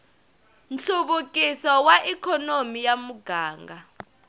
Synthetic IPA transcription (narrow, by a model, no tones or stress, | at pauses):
nɬuɓukʼisɔwaʔikʰɔnomijamuɡ̥ʱaːŋɡʱa